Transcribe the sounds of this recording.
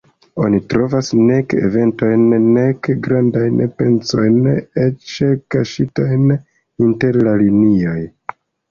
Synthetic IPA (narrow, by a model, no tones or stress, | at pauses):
o̞̰nitɾo̞vasne̞kḛve̞nto̞jnːekɡɾandajnpe̞nso̞jnet͡ʃekaʃitojn | inte̞ɾlalinio̞j